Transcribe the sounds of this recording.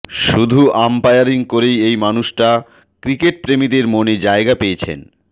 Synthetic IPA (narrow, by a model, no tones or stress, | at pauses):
ʃud̪ʱuʔampajaɾiŋkoɾejejmanuʃʈa | kɾikeʈ̚pɾemid̪eɾmoned͡ʑaeɡapejet͡ɕʰḛn